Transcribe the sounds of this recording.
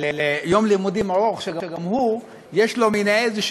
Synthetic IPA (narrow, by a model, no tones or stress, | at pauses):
lelejomlimud̪imaʁoχʃeɡaeɡamhu | jeʃlo̞minaezeʃ